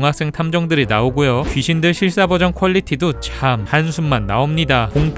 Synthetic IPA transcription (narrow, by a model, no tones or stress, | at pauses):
ŋɦak̚s͈ɯŋtʰamd͡ʑʌŋdɯɾinaoɡojot͡ɕɥiɕʰindɯɭɕʰiɭs͈abʌd͡ʑʌŋkʰwʌʎːitʰidot͡ɕamhansʰumːanːaomɲidakoŋpʰ